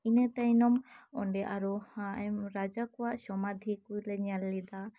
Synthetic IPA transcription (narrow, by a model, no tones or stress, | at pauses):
inɛt̪ajnɔmɔ̰ɳɖɛʔaɾɔmɾad͡ʒakɔwaʔsɔmad̪ʱikujlɛɲalːɛd̪a